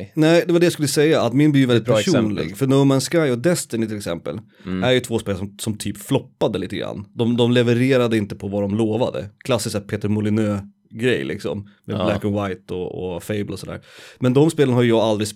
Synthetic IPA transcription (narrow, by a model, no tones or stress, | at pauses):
nɛːd̪ɛvadɖɛjaskɵlːəsɛjːaat̪mɪnbyːvɛlɪt̪pʰʂuːnlɪ̰ɡfœnɔmænskajɔd̪ɛst̪ənɪt̪ɪlɛksɛ̰mpə̰l | æɾjɵt̪ʰvoːspeːlsɔmsɔmt̪ʰyːpflɔpːad̪əliːt̪əɡɾa̰nːd̪ɔmd̪ɔmlɛvəɾeːɾad̪əɪnt̪əpʰɔvad̪ɔmloːva̰d̪ə̰kʰlasːɪsapʰeːt̪əɾmʊlɪnøː | ɡɾɛjlɪ̰ksɔ̰mmḛːblækɔnwajt̪ɔɔ̰fɛjbəlɔsɔd̪æ̰ːɾmɛnd̪ɔmspeːlənahajəjɑːɡald̪ɾɪs